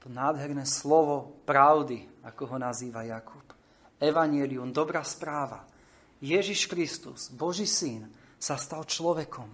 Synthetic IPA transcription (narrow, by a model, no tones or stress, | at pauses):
t̪ɔnaːd̪ɦɛɾnɛːslɔʋɔpɾaʊd̪iakɔɦɔnaziːʋajakʰup | ɛʋaɲɪɛliumd̪ɔbɾaːspɾaːʋa | jɛʒiʃkɾist̪ṵz̥bɔʒiːsinsast̪alt͡ʃlɔʋɛkʰɔm